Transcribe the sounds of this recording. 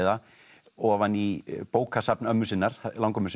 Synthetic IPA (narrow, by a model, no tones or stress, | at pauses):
ða | ɔvanːipoːwkʰasapnœmːʏsɪnːaɾ̥lãwŋkœmːʏsɪ